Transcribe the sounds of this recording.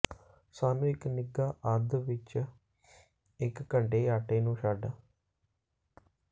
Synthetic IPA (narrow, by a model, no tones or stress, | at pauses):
saːnũːɪknɪɡaːʔəd̪ʋɪt͡ʃ | ɪkːəɳɖeːaːʈeːnũːʃaːɖaː